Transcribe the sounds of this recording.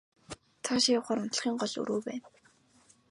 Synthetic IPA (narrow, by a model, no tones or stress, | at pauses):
t̪ʰaʃiʊwχaːɾʊnt̪̆χiːŋɢɔɮɵ̰ɾoːpæːn